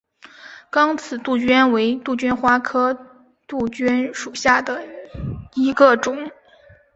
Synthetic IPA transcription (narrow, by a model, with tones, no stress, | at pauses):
kɑ˥ŋt͡sʰɹ̩˨˩t̪u˥˩t͡ɕɥɛ˥nwe˧˥ɪt̪u˥˩t͡ɕy˥nxwa˥kʰɤ˥ | t̪u˥˩t͡ɕy˥nʂu˨˩ɕja˥˩d̪ə˩ | i˧˥ɡə˧ʈ͡ʂʊ˨˩˦ŋ